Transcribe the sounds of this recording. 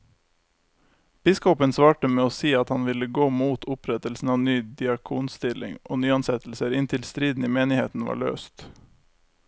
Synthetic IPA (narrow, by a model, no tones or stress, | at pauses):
b̥ɪskɔpənsʋɑːʈəmeːoːsiːɑt̪hɑnʋɪləɡoːmuːt̪ʰʊpʰɾɛt̪əlsn̩ɑːʋnyːd̪ɪɑkʰuːnst̪ɪlɪ̰ŋʔo̰ːnyːɑnsɛt̪l̩səɾɪnt̪ʰɪlst̪ɾiːd̪n̩iːmeːnɪheːt̪n̩ʋɑ̰ːɭø̰ːst̪